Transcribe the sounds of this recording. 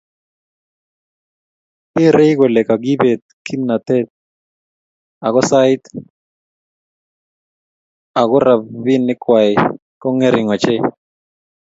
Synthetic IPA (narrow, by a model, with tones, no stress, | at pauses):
ɪ˦ɾe˦jɡɔ˨lɛ˨ka˨ɡi˦be˨t̪̚ki˦mna˨t̪ɛ˦t̪̚ | a˨kɔ˦sa˦ɪ˦t̪ | a˨ɡɔ˦ɾa˨bvi˦nːɪ˦kwa˨ɪ˨ | kɔ˦ŋe˦ɾɪ˨ŋɔ˨t͡ʃe˦